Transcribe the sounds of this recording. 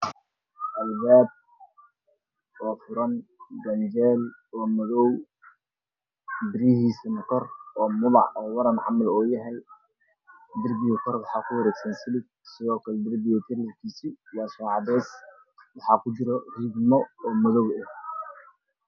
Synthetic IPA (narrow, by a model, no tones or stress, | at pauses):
ʔɐlbaːb̚ | ɔːfʊɾɐndɐnd͡ʒɛːlɔːmɐðɔw | bɪɾijɦiːsɐnɐkʰɔrɔːmʊðɑ̰ʕɔːwɑɾɐnħɑmɐlɔːjɐɦɛj | d̪ɪrbɪɣɐkʰɔrwɑħɑːkʰʊwɐɾɛːɡsɐnsɪlɪɡ̚ | sɪðɔːkʰɐlɛd̪ɪrbɪɣɐt̪ʰɪrlɪrkʰiːsijaːsɔːʕɑdɛs | wɑħɑːkʰʊt͡ʃɪɾɔriːɡmɔɔːmɔðɔwɛh